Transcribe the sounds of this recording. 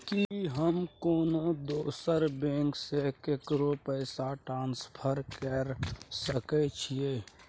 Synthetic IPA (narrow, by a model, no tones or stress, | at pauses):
kiɦəmkoːnod̪oːsəɾbẽːŋksekekɾopəɪsaʈɾãːnspʰəɾkəɾsəkɛt͡ʃʰieː